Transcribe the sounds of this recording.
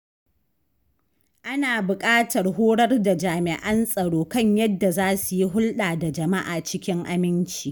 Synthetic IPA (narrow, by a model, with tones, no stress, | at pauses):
ʔa˦naː˨bʊ˨kʼaː˦tɐ˨rhoː˦ɽɐ˦rda˨d͡ʒaː˨mɪ˨ʔɐ˦nsʼɐ˨ɽoː˦kɐ˦ɲjɐ˦dːa˨zaː˦su˨ji˦ɦʊ˦lɗaː˨da˨d͡ʒɐ˨ma˦ʔaː˨t͡ʃɪ˦kʲɪ˦ŋʔa˦mɪ˦nt͡ʃiː˨